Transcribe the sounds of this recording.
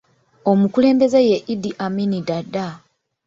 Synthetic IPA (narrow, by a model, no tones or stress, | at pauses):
omukule̞ːmbe̞zejeʔidiʔaminidadːa